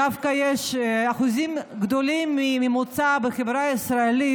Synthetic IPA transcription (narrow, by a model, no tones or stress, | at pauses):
avkajeʃaχuzimɡd̪olimːimimut͡sabeχevɾaisɾaeli